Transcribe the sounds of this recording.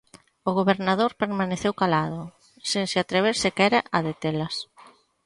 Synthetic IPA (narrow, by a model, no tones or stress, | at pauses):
ʊɣoβeɾnaðoɾpeɾmaneθewkalað̞ʊ | seŋsɪat̪ɾeβ̞eɾsɪkɛɾaʔaðet̪elɐs